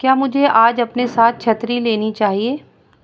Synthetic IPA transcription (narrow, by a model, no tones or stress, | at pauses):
kjaːmʊd͡ʒʱeaːd͡ʒɐpnesaːt̪̚ʰt͡ʃʰɐt̪ɾileːnit͡ʃaːɦieː